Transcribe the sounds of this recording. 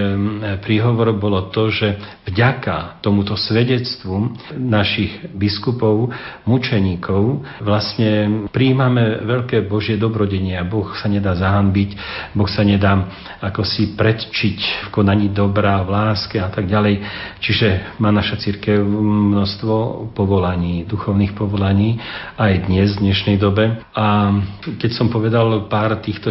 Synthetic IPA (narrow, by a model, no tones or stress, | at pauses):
pɾiɦɔʋɔɾɔbɔlɔt̪ɔʒɛvɟakat̪ɔmut̪ɔsʋɛɟɛt͡st̪ʋunaʃiɣbiskupɔʊmut͡ʃɛɲiːkɔʊʋlasɲɛpɾiːmamɛʋɛʎkɛːbɔʒɪɛd̪ɔbɾɔɟɛɲɪabɔxsaɲɛd̪aːzaɦambicbɔxsaɲɛd̪aː | akɔsipɾɛt̪t͡ʃicfkɔnaɲiːd̪ɔbɾaːʋlaːskɛat̪aɡɟalɛjt͡ʃiʒɛmaːnaʃat͡siɾkɛʊmnɔst̪ʋɔpɔʋɔlaɲiːd̪uxɔʊniːxpɔʋɔlaɲiːajd̪ɲɛzvd̪ɲɛʃnɛjd̪ɔbɛ | akɛcsɔmpɔʋɛd̪alpaːɾt̪iːxt̪ɔ